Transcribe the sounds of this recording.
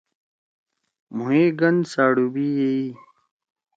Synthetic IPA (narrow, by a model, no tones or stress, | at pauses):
mueːɡɐnsaːɽubiːjei